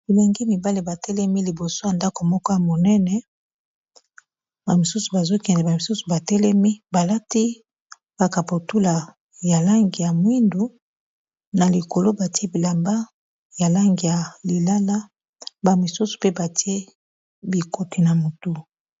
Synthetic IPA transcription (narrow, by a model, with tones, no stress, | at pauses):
i˨lo˨ŋɡi˦mi˨ba˦li˨ba˨tɛ˦lɛ˦mi˦li˨bo˨so˦ja˨nda˦ko˨mɔ˦kɔ˦ja˨mo˨nɛ˦nɛ˦ | ba˨mi˨su˦su˨ba˨zo˦kɛ˨ndɛ˨ba˨mi˨su˦su̥˨ba˨tɛ˦lɛ˦mi˦ba˨la˦ti˦ | b̥a˨ka˨po˨tu˦la˨ | ja˨la˦ŋɡi˨ja˨mwi˦ndu˨ | na˨li˨ko˨lo˦ba˨ti˦e˦bi˨la˨mba˦ | ja˨la˦ŋɡi˨ja˨li˨la˦la˦ | ba˨mi˨su˦su̥˨pe˦ba˨ti˦e˦ | bi˨ko˨ti˨na˨mo˨tu˦